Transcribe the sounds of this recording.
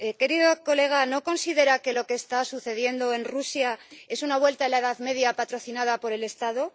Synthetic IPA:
ke̞ɾiðoko̞le̞ɣ̞ano̞ko̞nsiðe̞ɾake̞lo̞keːst̪asuθe̞ðje̞nd̪o̞e̞nrusjae̞sunaβ̞we̞lt̪aelaeðaðme̞ðjapat̪ɾo̞θinaðapo̞ɾe̞le̞st̪aðo̞

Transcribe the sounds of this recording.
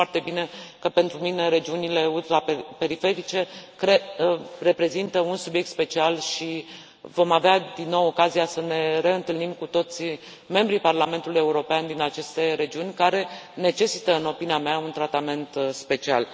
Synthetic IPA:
fart̪e̞bine̞kəpe̞nt̪ɾumine̞ɾe̞d͡ʒiunile̞ult̪ɾape̞ɾife̞ɾit͡ʃe̞kɾere̞pɾe̞zint̪əunsubje̞k̚t̪spe̞t͡ʃialʃi | vo̞mavead̪inːo̞wo̞kaziasəne̞ɾe̞ɨnt̪ɨlnimkut̪o̞t̪sʲ | me̞mbɾiparlame̞nt̪uluje̞uɾo̞peand̪inat͡ʃe̞st̪e̞ɾe̞d͡ʒiunʲkaɾe̞ne̞t͡ʃe̞sit̪əɨno̞piniameaunt̪ɾat̪ame̞nt̪spe̞t͡ʃia̰l

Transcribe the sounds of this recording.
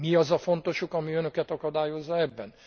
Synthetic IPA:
miɒzɒfo̞nt̪o̞ʃukɒmiønø̞kɛt̪ɒkɒd̪aːjo̞zːɒɛbːɛn

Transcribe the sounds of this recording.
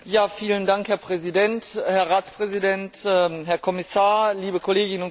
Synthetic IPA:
jaːfiːləndaŋkhɛɐpʁ̥ɛzidɛnthɛɐʁaːt͡spʁ̥ɛzidɛntɛɦɛɐkʰɔmɪsaːɐliːbəkʰɔleːɡɪnʊn

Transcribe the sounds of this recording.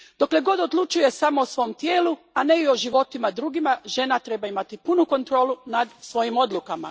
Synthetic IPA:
d̪̥o̞kle̞ɡo̞d̪o̞d̪lˠut͡ʃuje̞samoːsʋo̞mt̪jeːlu | ane̞io̞ʒiʋo̞t̪imad̪ɾuːɡimaʒe̞nat̪ɾe̞baimat̪ipunuko̞nt̪ɾo̞ːlˠunad̪sʋo̞jimo̞d̪lˠukama̰

